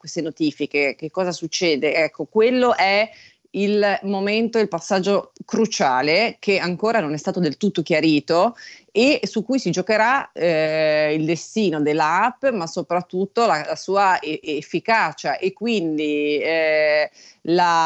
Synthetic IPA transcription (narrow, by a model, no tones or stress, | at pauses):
kwest̪enot̪iːfikek̟ekːɔːzasut͡ʃːɛːd̪eɛkʰːokwelːoʔɛ | ilmoment̪oilpasːad͡ʒːokɾut͡ʃaːlekʰeaŋkoːɾanonɛst̪aːt̪od̪elt̪ut̪ːok̟jaɾiːt̪oesukːujsid͡ʒokeɾaɛild̪est̪iːnod̪elːaapːmasopɾat̪ːut̪ːolalasuːaeefːikaːt͡ʃaʔekːwind̪i | la